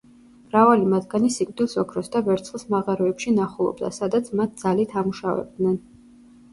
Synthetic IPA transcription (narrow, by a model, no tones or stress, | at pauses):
mɾavalimad̪ɡanisikʼd̪ilˠsɔkʰɾɔsd̪avɛɾt̪sʰχlˠsmaʁaɾɔɛpʃinaχulˠɔ̰bd̪a̰sad̪at̪sʰmat̪̚d̪zalit̪ʰamuʃavɛ̰b̚d̪nɛn